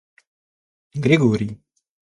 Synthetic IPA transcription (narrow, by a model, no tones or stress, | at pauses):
ɡɾiɡoːɾi